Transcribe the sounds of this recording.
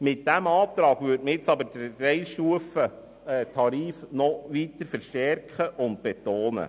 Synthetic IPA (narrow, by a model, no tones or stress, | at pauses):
mɪtd̥æmɑːt̪ɾɑːɡʋʏɾtməjɪt͡sɑbəɾdəɾɛjʃtuəfə | ɛt̪ʰɑɾiːfnɔʋitəɾfəɾʃtɛɾkχəʔʊnt̚b̥ɛt̪oːnə̰